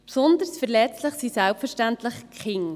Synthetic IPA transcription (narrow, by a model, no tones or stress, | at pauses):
psɔnd̪əɾsfəɾlɛt͡sləχsisælpfəɾʃtænt̪ləχkχɪŋ